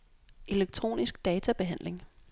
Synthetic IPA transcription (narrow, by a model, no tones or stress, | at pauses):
ʔe̝leɡ̥̚t͡sʰʁo̝̰ːnisɡ̥̚d̥ɛːt͡sʰæb̥e̝ɦæn̰le̝ŋ